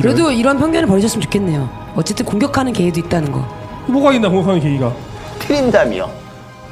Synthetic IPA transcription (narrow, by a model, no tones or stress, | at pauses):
ɯɾe̞doiɾʌanpʰjʌŋmjʌnɯɭpʌɾis͈ɯmnt͡ɕo̥kʰe̞nːe̞jo | ʌt͡ɕ͈e̞t͈ɯnkoŋɡjʌkʰanɯnke̞idoit̚t͈anɯnɡʌ̰moɡainːakoŋkʰaŋeke̞iɡakʰɯɾindamḭo̰